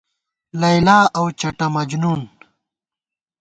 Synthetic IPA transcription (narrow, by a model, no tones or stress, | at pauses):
lɐjlaːɐwt͡ʃɐʈɐmɐd͡ʑnuːn